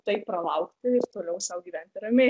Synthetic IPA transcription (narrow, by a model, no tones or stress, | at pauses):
t̪ɐɪppɾɐlˠɐʊkt̪ʲɪɪɾt̪oːlʲɛʊsɐʊɡʲiːʋʲɛnʲt̪ʲɪɾɐmʲe